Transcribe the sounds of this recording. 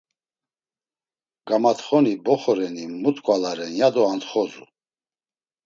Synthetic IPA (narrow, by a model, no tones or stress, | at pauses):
ɡ̥amat̪χɔnibɔχɔɾɛnimut̪ʼkʼwalaɾɛnjad̪ɔant̪χɔzṵ